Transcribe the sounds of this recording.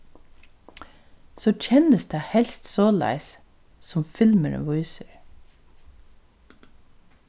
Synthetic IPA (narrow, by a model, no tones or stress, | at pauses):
soːc͡çʰɛnəsd̪̥æːhɛlst̪soːlæ̰ɪs | sɔmfɪlməɾə̰ʋɔʏsəɹ